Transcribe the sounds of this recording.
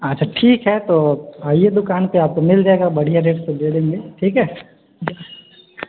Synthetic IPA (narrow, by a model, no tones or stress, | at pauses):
ɐtːʃʰaʈʰiːkɦɛt̪oaːijed̪ʊkaːnpeaːp̚komɪld͡ʒaeːɡabɐɽ̤ijaɾeːʈsed̪eːd̪ẽːŋɡeʈʰiːkɦɛː | d͡ʒa